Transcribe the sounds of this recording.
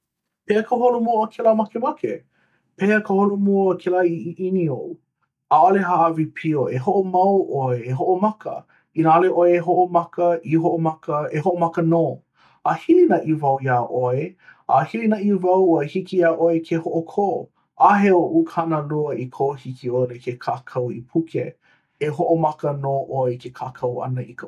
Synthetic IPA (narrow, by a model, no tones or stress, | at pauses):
peːəkʰəɦolumuoəkʰɛləmɐkemɐke | pʰeəkəholumuoəkʰɛlaiʔinioʔu | aaleɦaʔɐvipʰioeɦoʔomɐwʔoeeɦoʔomɐkə̰ | inaleʔoeːɦoʔomɐkəʔiɦoʔomɐkəehoʔomɐkənoː | ahilinɐʔivɐwjaːʔoeahilinɐʔivɐwəhikijaːʔoekʰehoʔokʰo | ʔaɦeoʔukʰanəluəikʰohikʰiolekʰekʰaːkʰɐwḭpʰukʰe | eɦoʔomɐkənoːʔoekʰekʰaːkʰɐwɐ̰nɐʔik